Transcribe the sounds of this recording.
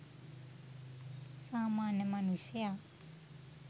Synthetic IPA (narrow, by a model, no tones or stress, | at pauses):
samanɛmanusia